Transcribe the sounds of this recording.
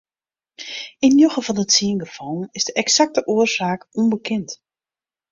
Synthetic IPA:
ɪnjoɣəvɔnətsiənɡəfɔlˠn̩ɪzdəʔɛksak̚təʔuərsaːkɔnbəkʰɪnt

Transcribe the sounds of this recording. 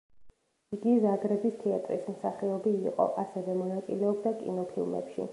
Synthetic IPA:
iɡizaɡɾɛbist̪ʰɛat̪ʼɾḭsmsaχɛɔbiːqʼɔ̰ʔasɛvɛmɔnat̪sʼḭlɛɔbd̪akʼḭnɔpʰḭlˠmɛ̰pʃḭ

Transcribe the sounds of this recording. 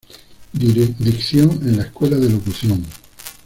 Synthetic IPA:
d̪iɾd̪ikθjoŋenlaehkwe̞laðelokuθjoŋ

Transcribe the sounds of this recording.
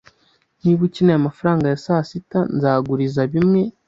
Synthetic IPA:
niβucinajamafaɾaːŋɡajasaːsitanzaːɡuɾizaβimŋe̞

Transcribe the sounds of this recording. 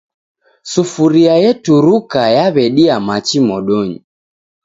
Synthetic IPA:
sufuɾiajɛtuɾukajaβɛɗiamat͡ʃimɔɗɔɲḭ

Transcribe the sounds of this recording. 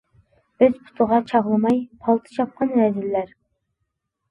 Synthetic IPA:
b̥ɪzpʰu̥t̪ʰəʁɑt͡ʃʰɑʁlˠɨmɑjpʰɑlˠt̪ʰɨ̥t͡ʃʰɑp̚qɑnɾɛzɪlːæɾ

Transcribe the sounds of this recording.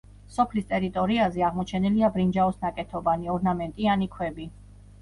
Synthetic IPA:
sɔpʰlist̪ʼɛɾit̪ʼɔɾiazɛaʁmɔt͡ʃʰɛniliabɾind͡ʒaɔsnakʼɛt̪ʰɔbaniɔɾnamɛnt̪ʼianikʰwɛbi

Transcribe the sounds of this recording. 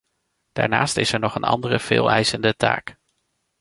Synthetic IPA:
d̥aːɹnaːstɪsɛɹnɔχənɑ̰ndərəv̥ɪːlˠɛjzəndəta̰ːk

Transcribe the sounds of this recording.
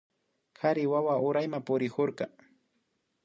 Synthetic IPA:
kaɾɪwawaʊɾajmapʊɾɪkoɾkɑ

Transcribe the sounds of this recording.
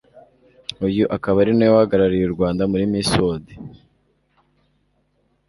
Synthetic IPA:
ujuʔakaβaɾinajohaɡaɾaɾijuɾɡwaːndamuɾimisode

